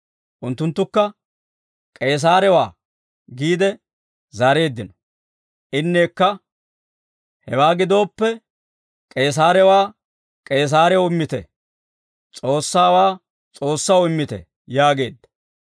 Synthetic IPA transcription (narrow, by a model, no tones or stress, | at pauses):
ʔʊnt̪ːʊnt̪ːʊkːɐ | kʼe̞ːs̬aːɾɛwaː | ɡiːd̪ɛ | zɐɾe̞ːd̪ːɪnɔ | ʔɪnːe̞ːkːɐ | hɛwaːɡɪd̪o̞ːpːɛ | kʼe̞ːs̬aːɾɛwaː | kʼe̞ːs̬aːɾɛwɪmːɪt̪ɛ̰ | t͡sʼo̞ːsːaːwaː | t͡sʼo̞ːsːɐwɪmːɪt̪ɛ̰ | jaːɡe̞ːd̪ːɐ̥